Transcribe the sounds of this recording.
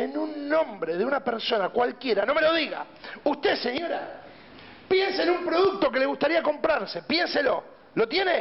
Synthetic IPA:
enunːõ̞mbɾeðeunapeɾso̞nakwalkje̞ɾano̞me̞lo̞ðiɣa̰ | ust̪eseɲo̞ɾa̰ | pje̞nseːnumpɾo̞ðuk̚t̪o̞k̬e̞leɣust̪aɾiako̞mpɾaɾsepje̞nselo̞ | lo̞t̪je̞ne

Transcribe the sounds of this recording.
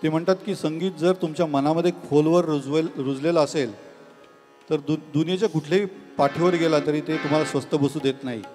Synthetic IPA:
t̪em̤əɳt̪at̪kiːsəŋɡiːt̪̚d͡zəɾt̪umt͡ɕjamənaməd̪ʱːjekʰolʋəɾd͡zʋeɾud͡zlelaəsel | t̪əɾd̪ud̪unijat͡ɕjakuʈʰleɦiːpaʈʰiʋəɾɡʱelat̪əɾiːt̪et̪um̤alasʋəst̪əbəsuːd̪et̪naɦḭ

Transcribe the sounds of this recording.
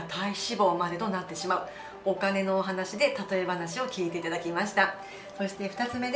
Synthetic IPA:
t̪ʰaiɕibo̞ːmad̪e̞t̪o̞nat̪ːe̞ɕimaɯ̟ | okane̞no̞ːɦanaɕid̪e̞t̪at̪o̞e̞banaɕio̞kʲiːt̪e̞it̪ad̪akʲimaɕi̥t̪a | so̞ɕi̥t̪e̞ɸɯ̟̥t̪at͡sɨme̞d̪

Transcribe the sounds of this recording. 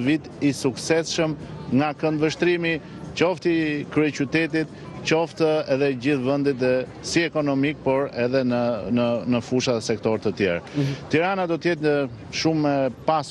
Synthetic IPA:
vit̪isuksɛsʃəm | ŋɡakənd̪vəʃt̪ɾimi | t͡ʃɔft̪ikɾyɛt͡ʃyt̪ɛt̪̬it̪ | t͡ʃɔft̪əɛðɛɟiθvɛnd̪it̪̬ɛ | siɛkɔnɔmik̚pɔɾɛðɛənəfuʃaðɛsɛk̚t̪ɔɾt̪ət̪jɛɾt̪iɾanad̪ɔt̪əjɛt̪ə | ʃumɛpas

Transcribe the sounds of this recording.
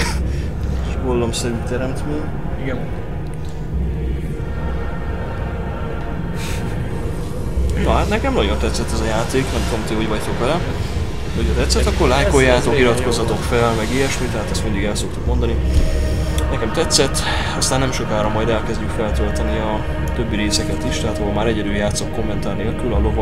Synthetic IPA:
ʒɡolːomsɛɾyt̪ːɛɾɛmt̪mi | iɡ | nɒɦat̪nɛkɛmnɒɟo̞nt̪ɛt̪sːɛt̪ːɛzɒjaːt̪eːknɛmt̪uomt̪øːho̞ɟvɒct̪o̞kʋɛlɛ | d̪ɛocʰɒt̪ɛt̪sːɛt̪ːɒkːo̞rlaːjkojaːt̪okiɾɒt̪ko̞zɒt̪o̞kfɛlmɛɡeːjɛʃmit̪ɛɦaːt̪ɛst̪mind̪iɡɛlso̞k̚t̪ukmo̞nd̪ɒni | nɛkɛmt̪ɛt̪sɛt̪ː | ɒst̪aːnːɛmʃo̞kaːɾɒmɒjd̪ɛlkɛzɟykfɛlt̪ølt̪ɛniɒ | t̪øbːiɾeːsɛkɛt̪iʃt̪ɛɦat̪hoɒlmaːɾɛɟɛd̪yːjaːt̪so̞kːo̞mːɛnt̪aːlneːlkylɒlov

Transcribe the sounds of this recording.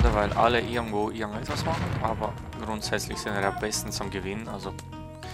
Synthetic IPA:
dəvaɪlʔa̰ləʔɪɐɡŋ̩tv̥oːʔɪɐɡŋ̩tɛtv̥asmaχn̩ʔaːbɐ | ɡʁʊntz̥ɛt͡slɪçz̥ɪndab̥ɛstn̩sʊmɡəvɪnənʔalzo

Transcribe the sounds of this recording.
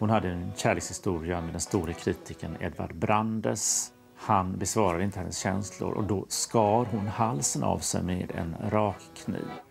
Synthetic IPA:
hʊnhad̪ːəɛnɕæːɭeːkshɪst̪uːɾɪamɛd̪ɛnst̪uːɾakʰɾiːt̪ɪkənɛ̰d̪va̰ɖbɾand̪əs | hanbɛsvɑːɾad̪əɪnt̪əhɛnːəsɕɛnslʊ̰ɾʔɔ̰d̪ɔskɑːɾɦʊnhalsənʔa̰vsɛ̰jmeːd̪ɛ̰nɾɑːkʰːnḭː

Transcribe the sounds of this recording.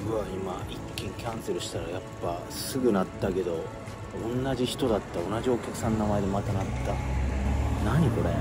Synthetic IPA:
ɯ̟βaimaikːẽŋkʲãɰ̃seɾɯ̟ɕi̥t̪aɾajapːa | sɨɡɯ̟nat̪ːake̞d̪o̞ | õnːaʑiçi̥t̪o̞d̪at̪ːao̞naʑio̞kʲakɯ̟sãnːnamaid̪e̞mat̪anat̪ːa | naɲ̟iko̞ɾḛ

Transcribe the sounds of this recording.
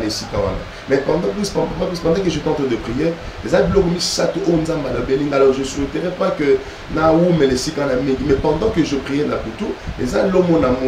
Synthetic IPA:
lesikawa̰na̰ | mɛpɑ̃dɑ̃puspãpispɑ̃d̪ɑ̃k̬əʒətɑ̃t̪əd̪əpʁije | ezablɔkmisatojonzambalabeliŋɡalɔʁʒəsueteʁɛpwakə | nawumelesikanamĩŋɡimɛpɑ̃d̪ɑ̃kəʒəpʁijɛnakutuezalomonamo

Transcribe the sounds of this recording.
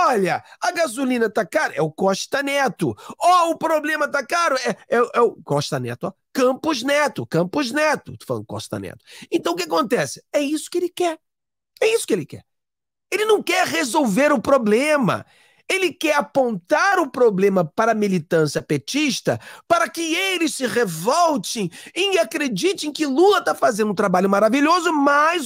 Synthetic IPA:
ɔʎɐɐɡazulĩnɐt̪akaɾʊɛʊkɔʃt̪ɐnɛt̪ʊoʊpɾoblẽmɐt̪akaɾʊɛɛʊʔɛʊkɔʃt̪ɐnɛ̰t̪ʊa | kɐ̃pʊznɛt̪ʊkɐ̃mpʊznɛt̪ʊ̰fɐlɐ̃kɔ̰ʃt̪ɐ̰nɛ̰t̪ʊ̥ẽnt̪ɐ̃w̃ʊkɪakõnt̪ɛsɪ̥ɛisʊ̥kɪelɪkɛɾ | ɛisʊ̥kɪelɪkɛ̰ɾ | elɪnɐ̃w̃kɛɾʁezowveɾʊpɾoblẽmɐ̰ | elɪkɛɾapõnt̪aɾʊpɾoblẽmɐpaɾɐmilit̪ɐ̃siɐpet͡ʃiʃt̪ɐ̰paɾɐkɪelɪssɪʁevɔwt͡ʃẽj̃ẽakɾed͡ʒit̪ẽkɪlulɐt̪afazẽnd̪ʊ̃t̪ɾabaʎʊmaɾaviʎozʊmɐz

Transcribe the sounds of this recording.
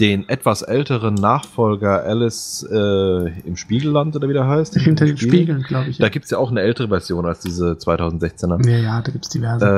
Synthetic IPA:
d̥eːnʔɛtv̥asʔɛltəʁənːaːχfɔlɡɐʔɛlɪsɛːɪmʃpiːɡl̩lantoːdɐviːdeːɦaɪsthɪntɐdeːnʃpiːɡl̩nɡlaʊbəɪçdaːɡiːp̚tsjaːaʊxnəʔɛltəʁ̞əvɛɐzjoːnalsd̥iːzət͡sv̥aɪtʰaʊn̩tzɛçt͡seːnɐjajaːdaːɡiːp̚tsd̥ivɛɐzəɛː

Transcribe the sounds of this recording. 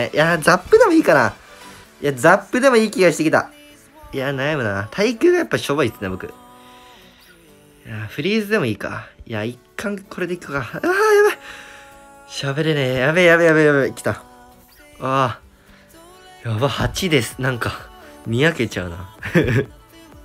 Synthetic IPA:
ejazapːɯ̟d̪e̞mo̞iːkana | jad͡zapːɯ̟d̪e̞mo̞iːkʲiɡaɕi̥t̪e̞kʲi̥t̪a̰ | janajamɯ̟nat̪ʰaikɯ̟ːɡajapːaɕo̞bisɨnebo̞kɯ̟̰ | jaɸɯ̟ɾʲiːzɨd̪e̞mo̞iːka̰jaikʰːãŋkʰo̞ɾe̞d̪e̞ikːɯkaajabe | ɕabe̞ɾe̞nejaβejaβejaβejaβekʲi̥t̪a | a | jaβahat͡ɕid̪e̞sɨ̥nãŋkamʲiake̞t͡ɕa̰ɯ̟na̰

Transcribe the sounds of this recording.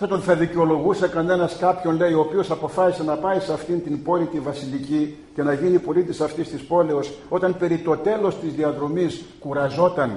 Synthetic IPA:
θɐt̪onθɐðiceo̞lo̞ɣusekɐne̞nɐskɐpço̞nle̞io̞ːpio̞sɐpo̞fɐsise̞nɐpɐisɐft̪int̪inpo̞ɾit̪ivɐsilici | ce̞nɐʝinipolit̪isɐft̪ist̪ispo̞le̞oso̞t̪ɐnpe̞ɾit̪o̞t̪e̞lo̞st̪izðiɐðɾo̞miskuɾɐzo̞t̪ɐn

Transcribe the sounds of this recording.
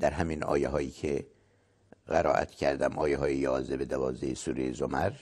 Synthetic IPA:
d̪̥æɾɦæminɒ̰ːjeɦɒːjiːcʰe | ɣæɾɒːʔæ̰t̪ʰcʰæɾd̪æmʔɒːjeɦɒːjejɒːzd̪ebed̪ævɒːzd̪æhesuːɾejezomæɾ

